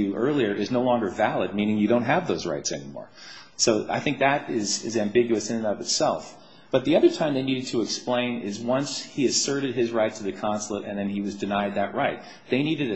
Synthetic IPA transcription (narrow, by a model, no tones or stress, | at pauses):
ʉʔɜ˞lˠiə˞ʔɨznoʊlɔ̃ŋɡə˞vælˠəd̚mĩnɪ̃ŋjɨɾõʊ̃nt̚ɦɨvðoʊzɹa̰ɪtsɛ̰nimɔ̰ɹ | soʊa̰ɪθɪ̃ŋk̚ðɨɾɪzɪzæ̃mbɪɡjʉɨsɨ̃nɨ̃nʌɾʌvɨtsɛlˠf | b̥ʌt̪̚ðiʌðə˞tʰãɪ̃mðeɪniɾɨd̚tʰɨɨksplẽɪ̃nɪzwʌ̃nshiɨsɜ˞ɾɨd̚ɪzɹaɪtʰɨðɨkʰɑ̃nsl̩ˠəɾɨ̰̃nðɨ̃niwʌzdɨnaɪd̪̚ðɨʔ̚ɹaɪt̪̚ | ðeɪniɾɨɾɨ